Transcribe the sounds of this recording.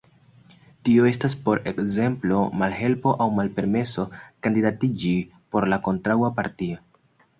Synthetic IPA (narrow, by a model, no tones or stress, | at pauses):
tio̞e̞staspo̞ɾe̞kze̞mplo̞malɦe̞lpo̞ʔawmalpe̞ɾme̞so̞kandidatid͡ʒi | po̞ɾlako̞ntɾawapaɾtio